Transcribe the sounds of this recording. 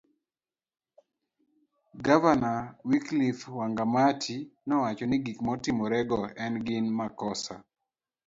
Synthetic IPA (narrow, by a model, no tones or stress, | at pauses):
ɡavanawiklifwaŋɡamatʰinɔwat͡ʃɔnɪɡikmɔtɪmɔɾɛɡɔɛnɡɪnmakɔsa̰